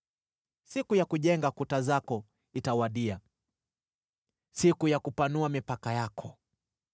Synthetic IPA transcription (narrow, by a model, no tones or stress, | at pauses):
sikujakuʄɛŋɡakutazakɔ | itawaɗia | sikujakupanuamipakajakʰɔ